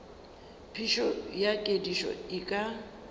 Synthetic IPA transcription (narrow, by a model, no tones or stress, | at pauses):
pʰiʃɔjakʼediʃɔ̰ikʼa